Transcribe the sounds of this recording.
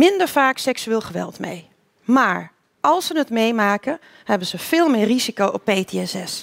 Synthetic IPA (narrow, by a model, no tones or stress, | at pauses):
mɪndəɹfaːksɛksyɪːlˠχəʋɛ̰lˠtmḛj | maːɹ | ʔɑlˠsənətmejmaːkə | hɛbəzəv̥ɪːlˠmɪːrizikowʔɔpːejteɛsɛs